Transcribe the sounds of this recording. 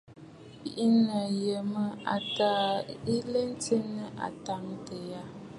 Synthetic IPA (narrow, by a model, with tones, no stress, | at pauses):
pi˨ʔi˦nə˨je˨mə˦a̰˨ta˦˨i˦le˦n˦t͡si˦nə˦ʔa̰˨ta˨˦ŋtə˨ja˦